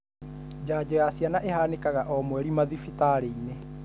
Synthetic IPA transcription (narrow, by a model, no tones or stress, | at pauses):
d͡ʒaːd͡ʒɔjasianaʔeɦaːnekaɣaʔɔmwɛɾimaðifitaɾeine